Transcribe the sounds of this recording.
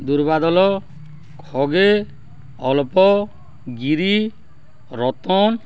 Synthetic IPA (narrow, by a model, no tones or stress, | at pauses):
d̪uɾbad̪ɔlɔ | kʰɔɡe | ɔlpɔ | ɡiɾi | ɾɔt̪ɔn